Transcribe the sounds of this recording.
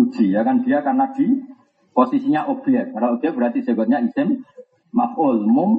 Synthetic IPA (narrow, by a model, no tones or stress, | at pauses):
ud̥ʒ̥i̤jakand̪̥iakarnad̪̥i | posisiɲaʔob̥iɛk̚karnaubɛk̚bəɾat̪i̥d͡ʒ̥abat̪̚ɲaisɪn | mafʊlmʊm